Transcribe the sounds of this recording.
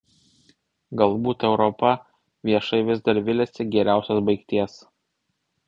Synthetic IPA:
ɡɐlˠˑbuːt̪ɛʊɾɔpɐ | ʋʲiɛʃɐɪʋʲɪzd̪ɐɾʋʲɪlʲɛsʲɪɡʲɛɾʲæˑʊsʲosbɐɪkt̪ʲiɛs

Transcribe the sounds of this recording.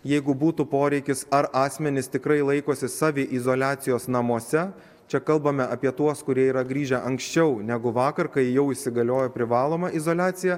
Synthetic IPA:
jɛɪɡʊbuːt̪upoːɾʲɛɪkʲɪsɐɾʔɑːsʲmʲɛnʲɪst̪ʲɪkɾɐɪlˠɐɪkoːsʲɪsɑːʋʲɪʔɪzoːlʲæːt̪sʲɪjoːsnɐmuɔsʲɛ | t͡ʃʲɛkɐlˠbɐmʲɛʔɐpʲiɛt̪uɔskʊɾʲiɛiːɾɐɡɾʲiːʒʲɛʔɐŋksʲt͡ʃʲɛʊnʲæɡʊʋɑːkɐɾkɐɪjɛʊɪʃʲsʲɪɡɐlʲoːjɛpʲɾʲɪʋɑːlˠoːmɐʔɪzoːlʲaːt̪sʲɪjɛ

